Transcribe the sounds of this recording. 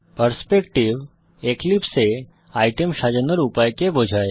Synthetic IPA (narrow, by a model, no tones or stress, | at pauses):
pəɾspekʈiʋ | eklipse | ajʈəmʃad͡ʒənəɾupajkebʱod͡ʒʱae